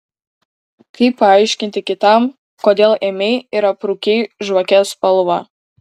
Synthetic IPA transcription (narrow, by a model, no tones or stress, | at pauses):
kʰɐɪpːɐɐɪʃʲkʲɪnʲt̪ʲɪkʲɪt̪ɐm | koːd̪ʲeːlˠeːmʲɛɪiɾɐpɾuːkʲɛɪʒʋɐkʲɛspɐlˠʋɐ